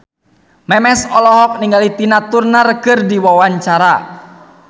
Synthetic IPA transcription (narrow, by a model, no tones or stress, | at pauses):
mɛmɛsɔlɔɦɔk̚niŋɡalit̪inat̪urnarkɨrdiwawaɲt͡ʃaɾa